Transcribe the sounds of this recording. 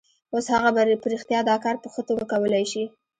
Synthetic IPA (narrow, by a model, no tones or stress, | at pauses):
oshaɣabaɾpɾixt̪jɑd̪ɑkɑɾpəxət̪oɡakawəlajʃi